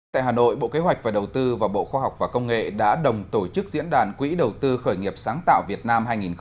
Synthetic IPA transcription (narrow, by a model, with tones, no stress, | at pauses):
t̪a̰ː˧˨jɦaː˨˩no̰˧˨jɓo̰˧˨ke˨˦ɦwa˨˩jk̟̚vaː˨˩ɗə˨˩wt̪ɨ˧vaː˨˩ɓo̰˧˨xwaː˧ɦa˨˩wk͡p̚vaː˨˩kə˧wŋ͡mŋḛ˧˨ɗa̰ː˧˥ɗə˨˩wŋ͡mt̪o˧˩t͡ɕɨ˦˥k̚zḭ˧˥nɗaː˨˩nkwḭ˧˥ɗə˨˩wt̪ɨ˧xəː˧˩jŋi˨˩əp̚saː˨˦ŋt̪a̰ː˧˨wvi˨˩ət̚naː˧mɦaː˧jŋi˨˩n